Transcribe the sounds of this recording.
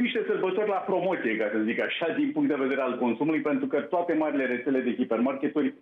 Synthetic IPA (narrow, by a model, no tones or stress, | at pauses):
iʃt̪e̞səlbət̪o̞rʲlapɾo̞mo̞t̪siekasəzikaʃad̪inpuŋkt̪d̪eve̞d̪eɾe̞alko̞nsumulujpe̞nt̪ɾukət̪oat̪e̞maɾile̞ɾe̞t̪sele̞d̪e̞kipe̞rmarkʲe̞t̪urʲ